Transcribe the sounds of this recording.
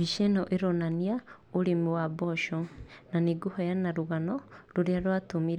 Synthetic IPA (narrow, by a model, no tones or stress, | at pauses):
βiʃenoʔeɾonania | oɾimuwaboʃonaniɡuhɔjanaɾuɣanɔɾuɾjaɾwatumiɾe